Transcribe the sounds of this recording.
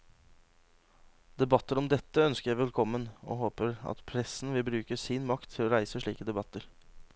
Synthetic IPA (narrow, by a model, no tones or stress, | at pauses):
d̪ɛbɑt̪ːəɾɔmd̪ɛt̪ːəœnskəɾjæɪʋɛlkʰɔmːəno̰ːɦoːpəɾɑ̰t̪pʰɾɛsn̩ʋɪlbɾʉːkəsɪnmɑkt̪ʰːɪloːɾæɪsəʂɭiːkəd̪ɛbɑt̪ːəɾ